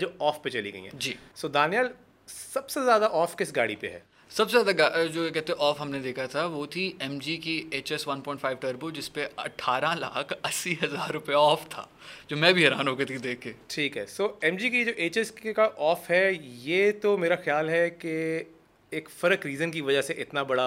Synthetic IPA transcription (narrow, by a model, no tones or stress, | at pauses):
d͡ʒoːɔːfpet͡ʃɐlḭɡɐ̰ḭɦɛ̰̃d͡ʒiːsoːd̪aːnijəl | sɐbsezjaːd̪aʔɔːfkɪsɡaːɽipeɦɛ̰ː | sɐbsezjaːd̪aɡad͡ʒoːkɛɦt̪eɦɛ̃ɔːfɦɐmned̪eːkʰat̪ʰaʋot̪ʰiɛmd͡ʒikieːt͡ʃɛsʋɐnpɔ̃ːɪ̃ɳʈfʰaːɪʋʈɐɾbod͡ʒɪspeɐʈʰːaːɾala̰ːkʰɐsːiɦɐzaːɾːʊpjaɔːft̪ʰa̰ː | d͡ʒoːmɛ̃bʱiɦɛɾaːnɦoːket̪ʰid̪eːkʰɡeːʈʰiːkɦɛːsoːɛmd͡ʒikid͡ʒoːʔeːt͡ʃɛskkaʔɔːfɦɛjeːt̪omeːɾaxjaːlɦɛke | eːkfɐɾəkɾiːzənkiʋɐd͡ʒəseʔɪt̪nabɐɽa